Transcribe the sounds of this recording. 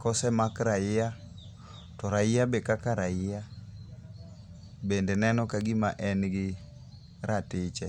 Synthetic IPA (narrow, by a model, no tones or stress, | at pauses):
kɔsɛmakɾajɪja | tɔɾaɪjabekakaɾajɪja | bendenɛnɔkaɡɪmaʔɛnɡɪ | ɾatɪt͡ʃɛ